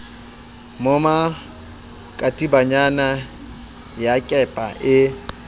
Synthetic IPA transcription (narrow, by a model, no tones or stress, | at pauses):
moma | kʼatʼibaɲana | jakʼɛpʼa̰ʔɪ